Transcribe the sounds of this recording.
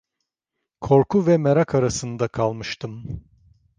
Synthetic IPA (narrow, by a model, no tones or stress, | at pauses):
kʰo̞ɾkʰuvɛmeɾakʰaɾasɯnd̪akʰalˠmɯʃt̪ʰɯm